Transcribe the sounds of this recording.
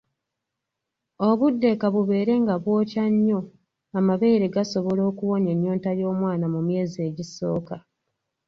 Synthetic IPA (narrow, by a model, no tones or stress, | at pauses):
o̞βudːe̞kaβuβe̞ːɾe̞ŋɡaβwo̞ːcaɲːo̞ | amaβe̞ːɾe̞ɡaso̞βo̞lo̞ːkuwo̞ɲe̞ɲːoːntajo̞ːmwaːnamumje̞ːzie̞ːɟiso̞̰ːka